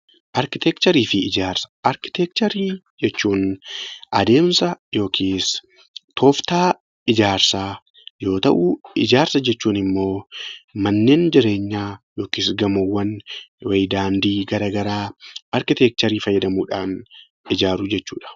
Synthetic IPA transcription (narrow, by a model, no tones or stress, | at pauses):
ʔɐɾkɪt̪ɛkt͡ʃ̪ɐɾiːfɪɪd͡ʒaːɾsɐ̥ʔɐɾkɪ̥t̪ɛk̚t͡ʃ̪ɐɾiː | d͡ʒɛt͡ʃːuːnʔɐd̪e̞ːmsɐjo̞ːkʰiːs | t̪ʰoːft̪aː | ɪd͡ʒaːɾsaː | jo̞ːt̪ɐ̰ʔuɪd͡ʒaːɾsɐd͡ʒɛt͡ʃːuːnɪmːo̞ːmɐnːe̞ːnd͡ʒɪɾe̞ːɲːaːjo̞ːkiːsɡɐmowːɐnwɐjd̪aːnd̪iːɡɐɾaːɡɐɾaːʔɐɾkɪt̪ɛk̚t͡ʃ̪ɐɾiːfɐjːɐd̪ɐmuːᶑaːn | ɪd͡ʒaːɾud͡ʒɛt͡ʃːṵːᶑɐ̥